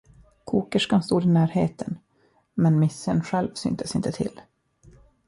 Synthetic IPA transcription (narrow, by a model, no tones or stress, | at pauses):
kʰuːkəʂkanst̪uːd̪ɪnæːɾhḛːt̪ʰən | mɛnmɪsːənɧɛlvsʏ̰ːnt̪ʰəsɪ̰nt̪ət̪ʰɪ̰lː